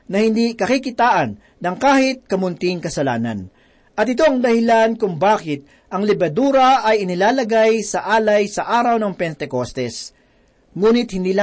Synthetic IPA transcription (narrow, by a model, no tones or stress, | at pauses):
nɐhɪnd̪ikɐkikɪt̪aːʔɐnːɐŋkaːhɪt̪̚kɐmʊnt̪ɪŋkɐsɐla̰ːnɐ̰n | ʔɐt̪ɪt̪o̞ɐŋd̪ɐhɪlankʊŋbaːkɪt̪̚ | ʔɐŋlɪbɐd̪uːɾɐʔɐjɪnɪlaːlɐɡajsɐʔaːlɐjsɐʔaːɾɐwnɐŋpɛnt̪ɛkost̪ɛs | ŋuːnɪt̪̚hɪnd̪iːlɐ